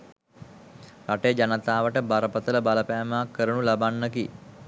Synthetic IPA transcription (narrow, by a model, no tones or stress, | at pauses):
raʈejd͡ʒanət̪aːʋəʈəbaɾəpət̪ələbaləpæːmaakːəɾənulabanːəki